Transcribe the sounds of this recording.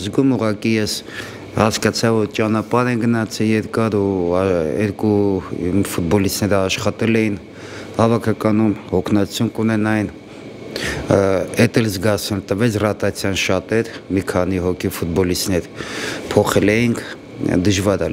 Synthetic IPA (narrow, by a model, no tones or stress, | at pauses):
zɡumuʁɑkijɛs | hɑskɑt͡sʰɑvvɔɾt͡ʃɑnɑpɑɾɛŋɡənɑt͡sʰɛjɛɾkɑɾu | ɛ̰ɾku | fut̪̚bɔlist̪nɛɾəɑʃχɑt̪ɛlɛjin | hɑvɑkʰɑkɑnumhɔkʰnɑt͡sʰjumkunɛnɑjn | ɛt̪ɛlzɡɑt͡s̪ʰɛlt̪əvɛt͡sʰrɑt̪ɑt͡sʰjɑnʃɑt̪ɛɾmikʰɑniɦɔkʰifut̪̚bɔlist̪nɛɾpʰɔχɛlɛjiŋkʰ | d̪əʒvɑɾɑ